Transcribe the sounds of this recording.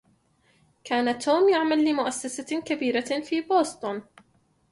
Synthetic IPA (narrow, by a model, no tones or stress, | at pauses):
kaːnat̪ʰoːmjaʕmalːɪmʊʔasːasakabiːɾafiːboːst̪ˤʊn